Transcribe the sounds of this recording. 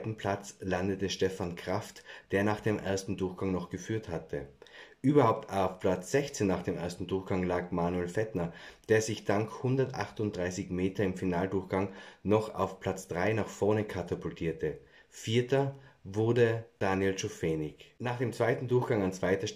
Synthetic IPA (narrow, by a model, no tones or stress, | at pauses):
tn̩pʰl̥at͡slandətəʃtɛfankʁ̥aftd̥eːɐnaːχd̥eːmʔḛːɐstn̩dʊɐxɡ̥aŋnɔχɡ̥əfyːɐthatʰəʔyːbɐhaʊp̚tʰaʊfpʰl̥at͡sz̥ɛçt͡seːnːaːχd̥eːmʔḛːɐstn̩dʊɐxɡ̥aŋlaːkmaːnuelfɛtnɐd̥eːɐzɪçd̥aŋkhʊndɐtʔa̰χtʊnt̚d̥ʁaɪsɪçmeːtɐɪmfinaːldʊɐxɡ̥aŋnɔχa̰ʊfpʰl̥at͡sd̥ʁaɪnaːxfɔɐnəkʰatʰapʊltʰiːɐtʰə | fiːɐtɐvʊɐdəd̥aːnjelt͡ʃofeːnɪçnaːχd̥eːmt͡sv̥aɪtn̩dʊɐxɡ̥aŋant͡sv̥aɪtɐʃ